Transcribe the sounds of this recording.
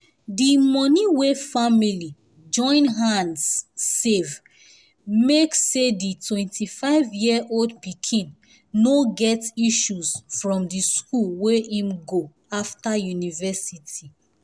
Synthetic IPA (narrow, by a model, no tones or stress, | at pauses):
dimɔniwefamili | d͡ʒɔ̃ɪ̃nɦãndsːev | mekseditwɛ̃ntʰifaɪvjiʔoldpikʰĩnː | oɡɛtiʃuzfɹɔ̃mdiskulweʔĩmɡo | aftajunivɛsitʰi